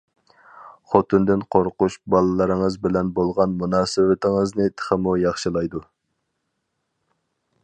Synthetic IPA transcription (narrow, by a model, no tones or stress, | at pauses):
χot̪ʰɨnd̪ɪnqʰoɾquʃbɑlˠɨlˠɨɾɨŋəzbɪlɛnbolˠʁɑnmunɑːsɪvɪt̪ʰɪŋɨznɪt̪ʰə̥χəmujɑχʃɨlˠɑjd̪u